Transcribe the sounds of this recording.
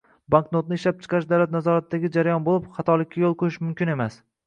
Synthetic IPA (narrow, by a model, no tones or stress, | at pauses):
baŋknot̪nɪɪʃlap̚t͡ʃʰɨ̥qʰɑɾɪʃ̬d̪awlat̪nazɒɾat̪̚ːaɡʲɪd͡ʒaɾajɒnbolˠɪpχɑt̪ʰɒlˠɪkʲʰːajolˠqʰojɪʃmʊmkʲɪne̞mas